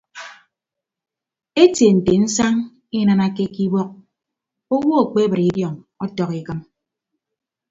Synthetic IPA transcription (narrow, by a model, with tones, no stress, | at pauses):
e˦tje˨n̩˨te˨n̩˦sa˦ŋ | i˦na˨na˦ke˦ki˦bɔ˦k̚ | o˦wɔ˦o˨k͡pe˦bɨ˨ɾi˨˦djɔ˨ŋ | ɔ˦tɔ˨ki˨kɨ˦m